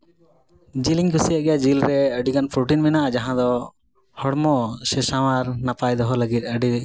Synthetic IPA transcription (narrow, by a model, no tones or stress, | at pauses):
d͡ʒiliŋkusijaʔɡɛjad͡ʒilɾɛəɖikanpʰɾuʈinmɛnaʔd͡ʒaɦãd̪ɔ | hɔɽmɔʃɛsawaɾnapajd̪ɔɦɔləɡit̪̚ˀəɖi